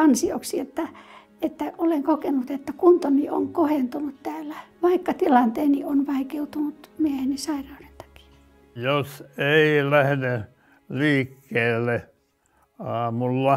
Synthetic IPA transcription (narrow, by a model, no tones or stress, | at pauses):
ɑnsioksiet̪ːæ | et̪ːæoleŋkokenut̪et̪ːækunt̪onioŋkohent̪unut̪t̪æːlːæʋɑikːɑt̪ilɑnt̪eːnionʋɑikeut̪unut̪miehenisɑirɑunent̪ɑ̥ki̥ | joseilæhne | liːkːeːlːe | ɑːmulːɑ